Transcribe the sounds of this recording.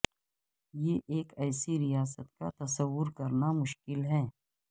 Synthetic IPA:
jeʔeːkɛːsiɾijaːs̬ət̪̚ka̰t̪ɐsəwːʊɾkɐɾnamʊʃkɪlɦɛː

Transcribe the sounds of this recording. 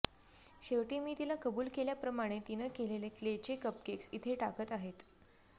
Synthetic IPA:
ɕeʋʈimiːt̪ilakəbuːlkeljapɾəmaɽ̃et̪inəkeleleklet͡ɕekəp̚keksit̪ʰeʈakət̪aɦet̪

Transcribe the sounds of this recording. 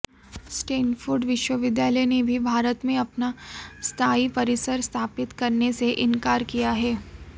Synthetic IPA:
sʈeːnfʊɾɖʋɪʃwəʋɪd̪jaːləjnebʱibʱaːɾət̪mẽɐpnast̪ʰaːipɐɾɪsəɾst̪ʰaːpɪt̪kɐɾneseʔɪ̃nkaːɾkijaɦɛː

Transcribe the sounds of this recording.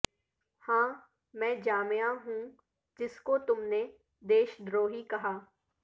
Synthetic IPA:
hãː | mɛ̃ːd͡ʒaːmejaɦũː | d͡ʒɪskot̪ʊmne | d̪eːʃd̪ɾoːɦikɐɦaː

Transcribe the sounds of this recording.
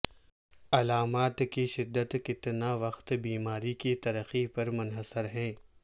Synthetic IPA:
ɐlaːmaːt̪kiʃɪd̪ːət̪kɪt̪naʋɐqt̪biːmaːɾikit̪ɐɾəxipɐɾmʊnɦəsəɾɦɛ̃ː

